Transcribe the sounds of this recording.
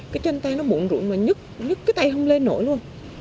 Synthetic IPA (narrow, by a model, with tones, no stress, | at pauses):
kaː˨˦jt͡ɕe˧nt̪a˧jnɔ˨˦ɓṵ˧˨nzṵ˧˩ənmaː˨˩ɲɨ˦˥k̚ɲɨ˦˥k̚ːaː˨˦jt̪a˧jɦə˧wŋ͡mle˧nːo̰˧˩jlu˧ən